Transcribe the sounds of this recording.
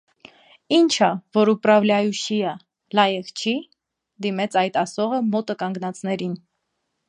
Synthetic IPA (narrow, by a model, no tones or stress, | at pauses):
int͡ʃʰɑvɔɾuprɑvlʲɑjuʃiə | lɑjɛʁt͡ʃʰi | d̪imɛt͡sʰɑjt̪ɑsɔʁəmɔt̪əkɑŋɡnɑt͡snɛɾin